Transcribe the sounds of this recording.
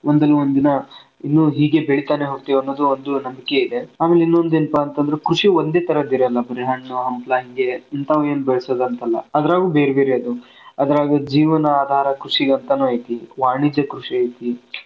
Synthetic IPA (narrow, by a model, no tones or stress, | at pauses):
ond̪ɐlːuond̪inɐ | inːuɦiːɡe̞beɭit̪aːneɦoːɡ̚t̪iʋɐnːod̪uond̪unɐmbike̞id̪e̞aːmeleinːo̞nd̪enpaːnt̪ɐnd̪ɐɾekɾuʂiond̪e̞ːt̪ɐɾɐd̪iɾɐɐlːɐbɐɾiɦɐɳːuɦɐmplaːɦiŋɡeint̪aʋue̞ːnubɛɭsod̪ɐnt̪ɐlːɐ̰ɐd̪ɐɾaːɡuːbeːɾebe̞ːɾeɐd̪u | ɐd̪ɐɾaːɡud͡ʒiːʋɐnɐaːd̪ʱaːɾɐkɾuʂiɡɐnt̪ɐnuɐjt̪iʋaːɳid͡ʒɐkɾuʂiɐjt̪i